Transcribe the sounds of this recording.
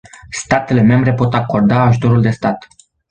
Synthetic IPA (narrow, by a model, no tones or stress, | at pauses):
st̪at̪e̞le̞me̞mbɾe̞po̞t̪ako̞rd̪aːʒut̪o̞ɾuld̪e̞st̪at̪